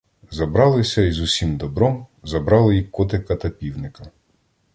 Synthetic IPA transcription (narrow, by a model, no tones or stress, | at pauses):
zɐbɾɑlˠɪsʲɐizʊsʲimd̪ɔbɾɔmzɐbɾɑlˠɪjikɔt̪ɪkɐt̪ɐpʲiwnɪkɐ